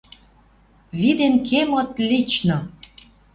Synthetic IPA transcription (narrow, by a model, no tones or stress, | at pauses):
βid̪enkʰemɤ̆t̪lʲit͡ɕnɤ̆